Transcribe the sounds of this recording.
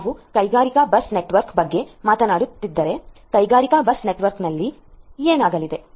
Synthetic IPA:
ʋukɐjɡaːɾikɐbɐsneʈʋɐɾkbɐɡːe̞maːt̪ɐnaːɽut̪ːid̪ːɐɾe̞kɐjɡaːɾikɐbɐsneʈʋɐɾknɐlːi | eːnaːɡɐlid̪e̞

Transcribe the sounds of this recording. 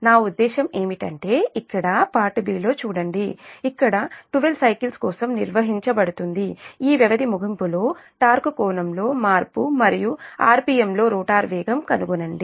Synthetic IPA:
naːud̪ːɛːʃɐme̞ːmiʈɐɳʈe̞ːikːɐɽɐpaːʈɐbiːlo̞ːt͡ʃuːɽɐɳɖiikːɐɽɐʈuʋelsɐjkilskɔːsɐmnḭɾʋɐɦiɲt͡ʃɐbɐɽut̪und̪iiːʋjɐʋɐd̪imuɡʱɐmpulo̞ːʈaːɾkukɔːnɐmlo̞ːmaːɾpumɐɾijuaːɾpiːemlo̞ːɾuːʈaːɾʋɛːɡɐmkɐnuɡunɐɳɖi

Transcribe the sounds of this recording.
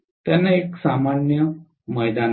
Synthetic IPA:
t̪janːaeksamaɳjə | məjd̪an

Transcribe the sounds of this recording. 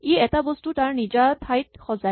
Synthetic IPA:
iɛtabɔstutaɹnid͡ʒatʰajt̚xɔza

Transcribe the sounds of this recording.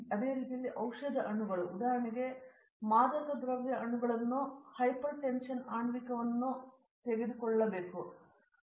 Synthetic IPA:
ɐd̪e̞ːɾiːt̪ijɐlːiʔɐwʂɐd̪ʱɐʔɐɳuɡɐɭuːd̪aːɦɐɾɐɳiɡe̞ | maːd̪ɐt̪ɐd̪ɾɐʋjɐʔɐɳuɡɐɭɐnːuhɐjpɐɾʈenʂɐnaːɳʋikːɐʋɐnːu | t̪eʋed̪ukɔɭːɐbeːku

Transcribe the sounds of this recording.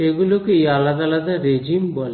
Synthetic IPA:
eɡulukuiːɐlɐd̪ɐlɐd̪ɐɾed͡ʒimbol

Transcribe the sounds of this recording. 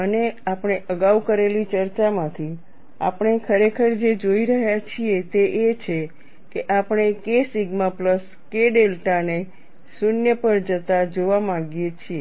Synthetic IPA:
əneapɳ̃eʔəɡaʋkəɾelit͡ʃəɾt͡ʃamãt̪ʰi | a̰pɳ̃ekʰəɾekʰəɾd͡ʒed͡ʒoiɾəɦjat͡ʃʰiet̪eʔet͡ʃʰe | keʔapɳ̃ekesiɡmapləs | keɖelʈane | sunjəpəɾd͡ʒət̪ad͡ʒoʋamãɡjet͡ʃʰie

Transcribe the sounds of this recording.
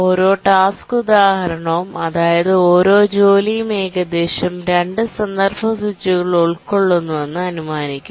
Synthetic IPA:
o̞ːɾo̞ːʈaːskud̪aːhɐɾɐɳɐmɐðaːjɐðɨo̞ːɾo̞ːd͡ʑo̞ːlijmeːɡɐd̪eːɕɐmɾeɳɖɨsɐnd̪ɐrbʱɐsut͡ɕːuɣɐɭuɭkoɭːunːuʋenːɨɐnumaːnikʲːumm

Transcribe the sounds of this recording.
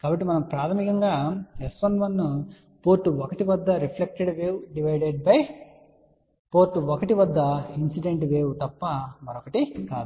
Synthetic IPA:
kaːbɐʈːimɐnɐmpɾaːt̪ʰɐmikɐŋɡaːesʋɐnʋɐnːu | po̞ːɾʈːuɔkɐʈiʋɐd̪ːɐɾipʰlek̚ʈeɖʋeːwuɖiʋɐjɖeɖ̚pɐj | poːɾʈːuokɐʈiʋɐd̪ːɐinsiɖe̞ɳʈʋeːwut̪ɐpːɐmɐɾokɐʈika̰ːd̪u

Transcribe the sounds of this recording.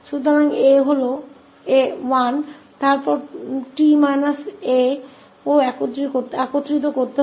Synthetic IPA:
ʃut̪oɾaŋeɦolo | ewan | t̪aɾpɔɾʈimajnase | oɛkot̪ːɾikoɾt̪akot̪ːɾit̪̬okoɾt̪eɦ

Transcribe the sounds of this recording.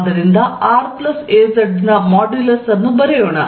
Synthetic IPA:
d̪ɐɾind̪ɐaːɾplɐseːzɐɖnɐmaːɖulɐsɐnːubɐɾɛjoːɳɐ

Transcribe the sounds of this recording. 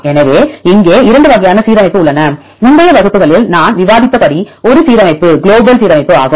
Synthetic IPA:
ɛnɐʋeːɪŋɡeːɪɾɐɳɖɯʋɐɣɐjaːnɐsiːɾɐmɐɪpːɯʊɭːɐnɐ | mʊɳɖɐjɐʋɐɣɯpːɯɣɐɭɪlnaːnʋɪʋaːðɪpːɐkɐɽiɔɾɯsiːðɐmɐɪpːɯɡɪɭoːbɐlsiːðɐmɐɪpːɯa̰ːɣɯm

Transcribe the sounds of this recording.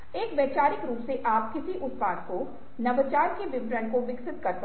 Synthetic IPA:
eːkbeːt͡ʃaːɾɪkɾuːpseʔaːp̚kɪsiʔʊt̪paːʈ̪ko | nɐʋət͡ʃaːɾkeʋɪʋɾəɳkoʋɪksɪt̪̚kɐɾt̪

